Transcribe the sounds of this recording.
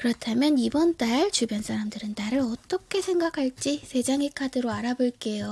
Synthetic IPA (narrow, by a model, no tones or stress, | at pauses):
kɯɾʌtʰamjʌnibʌnt͈aɭt͡ɕubjʌnsʰaɾamdɯɾɯnːaɾɯɾʌt͈ʌkʰe̞sʰe̞ŋɡakʰaɭt͡ɕ͈isʰe̞d͡ʑaŋikʰadɯɾoaɾaboɭk͈e̞jo